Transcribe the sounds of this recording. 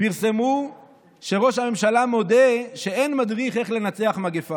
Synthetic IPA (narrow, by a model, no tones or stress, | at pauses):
piʁse̞mu | ʃe̞ʁo̞ʃhame̞mʃalamo̞de̞ʃeenmadʁiχe̞χle̞nat͡se̞aχmaɡefa